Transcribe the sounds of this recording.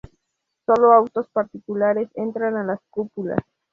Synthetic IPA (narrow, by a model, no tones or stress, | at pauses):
so̞loawt̪o̞spaɾt̪ikulaɾe̞se̞nt̪ɾanalaskupula̰s